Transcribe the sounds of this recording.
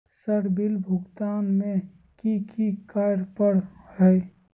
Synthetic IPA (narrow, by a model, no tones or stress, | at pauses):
səɾbɪlbʱʊɡt̪aːnmẽ | kikikaɾpəɾhɛ